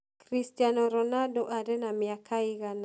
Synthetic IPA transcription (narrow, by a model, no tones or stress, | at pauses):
kɾistijanɔɾɔnadɔʔadɛnamiakʰaiɣan